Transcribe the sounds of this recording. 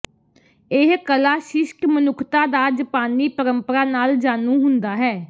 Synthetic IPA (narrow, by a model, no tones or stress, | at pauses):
ɪɦkəlaːʃɪʃkmənʊkʰt̪ãːd̪aːd͡ʒəpaːniːpəɾəmpəɾaːnaːld͡ʒaːnũːɦʊnd̪aːɦɛː